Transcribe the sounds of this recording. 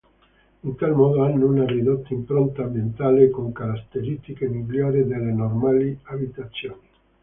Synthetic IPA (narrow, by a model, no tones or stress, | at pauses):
int̪almɔːd̪oanːunarid̪ot̪ːaimpɾont̪ambjent̪aːlekoŋkaɾat̪ːeɾist̪ikemilːjaːɾid̪elːenormaːliabit̪at̪sːjoːni